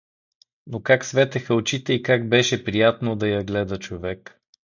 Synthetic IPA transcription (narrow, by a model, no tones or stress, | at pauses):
nokaksvɛt̪ɛxəot͡ʃit̪ɛikaɡ̚bɛʃɛpɾijat̪nod̪ɐjɐɡlɛd̪ət͡ʃovɛk